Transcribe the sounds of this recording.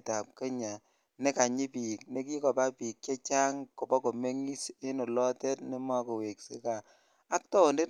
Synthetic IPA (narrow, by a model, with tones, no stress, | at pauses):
ta˨p̚ke˦ɲa˨ | ne˦ka˨ɲi˦pi˨k̚ne˦k̬i˦kɔ˨pa˦pi˨k̚t͡ʃe˦t͡ʃa˦ŋko˨pɔ˦ko˨me˦ŋi˦se˦nɔ˨lɔ˦tɛ˦tne˦ma˦ko˨we˨kse˦ka˨ | a˦k̚tɔ˦o˨nde˦t